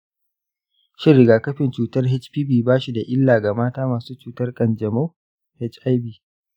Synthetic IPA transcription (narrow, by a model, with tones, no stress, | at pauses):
ʃɪ˦ɾɪ˨ɡaː˨kɐ˦ɸɪ˨nt͡ʃuː˨tɐ˦rɦɛ˦t͡ʃpiː˦biː˨baː˦ʃi˨da˨ʔɪ˦lːaː˨ɡa˨maː˦taː˦maː˨suː˦t͡ʃuː˦tɐ˦rkʼɐ˨nd͡ʒɐ˨mo˦ | hɛ˦t͡ʃʔa˦jbiː˦˨